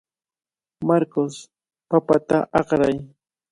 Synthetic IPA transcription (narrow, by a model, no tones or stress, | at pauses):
maɾkos | papat̪aʔɑqɾaj